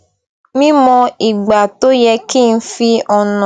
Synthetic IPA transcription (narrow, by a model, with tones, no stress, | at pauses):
mĩ˦mɔ̃˧i˨ɡ͡ba˨to˦jɛ˧ki˦˨n̩˦fi˧ɔ˧nɔ̃˨